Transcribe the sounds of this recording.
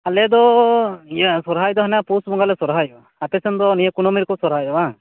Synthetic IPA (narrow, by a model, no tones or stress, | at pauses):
alɛd̪ɔ | jsɔɾɦajd̪ɔɦanapusbɔŋɡalɛsɔɾɦajɔ | apɛsɛnd̪ɔnijɛkunɔmiɾkɔsɔɾɦajɔba